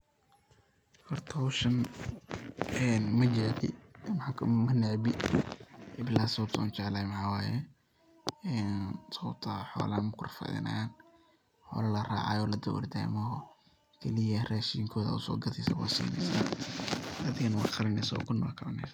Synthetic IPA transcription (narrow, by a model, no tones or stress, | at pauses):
fɐrt̪ʰɔwʃɐn | ɛːnmɐd͡ʒɛʕd̪ɪ̰mkʰmɐnɛʕbɪ | ʔɪblaːsɐb̚t̪ʰːnt͡ʃɛʕlaːjmħaːwaːjɛ | ɛnsɔːt̪ʰɐħɔ̰ːlanmɐkʰʊrfɐ̰ðɪ̰nʔɐ̰aːn | ħɔ̰ːlɐlɐra̰ːʕɑjɔːlɐd̪ɐwʊ̰rd̪a̰ːmɔɦɔ | kʰɛlɪjɐraːʃiːŋkʰɔːðɐ̰ʊsɔːɡɐðɪsɐ̰wɑ̰ːsḭːnɛ̰jsa̰ː | ɐðɪɣɐnwɑ̰ːqɑlɐnɛjsɐ̰kʰʊnːɔ̰ːlqɑlɐnɛ̰js